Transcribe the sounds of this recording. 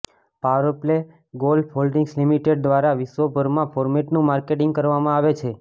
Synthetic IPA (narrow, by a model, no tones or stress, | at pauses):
paɾəple | ɡolɖpʰolɖiŋɡslimiʈeɖ̚d̪ʋaɾaʋiʃʋəbʱəɾmãfʰoɾmeʈnũmaɾkeʈĩŋɡkəɾʋamãaʋet͡ʃʰe